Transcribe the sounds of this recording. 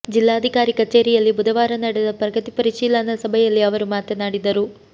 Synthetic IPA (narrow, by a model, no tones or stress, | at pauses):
d͡ʒilːaːɐd̪ʱikaːɾikɐt͡ʃeːɾijɐlːibud̪ɐʋaːɾɐnɐɽɛd̪ɐpɾɐɡɐt̪ipɐɾiʂiːlɐnɐsɐbʱɐjɐlːiɐʋɐɾumaːt̪jɐnaːɽid̪ɐɾu